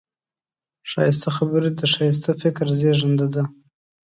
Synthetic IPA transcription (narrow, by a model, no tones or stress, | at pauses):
ʃɑ̰jɪs̬t̪axabəɾed̪əʃɑjɪs̬t̪afɪkɾzeʒand̪ad̪a